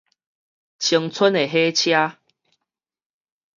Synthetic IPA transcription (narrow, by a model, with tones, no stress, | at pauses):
t͡ɕʰi˧˩ŋt͡sʰə˦ne˨ɦe˦t͡ɕʰja˦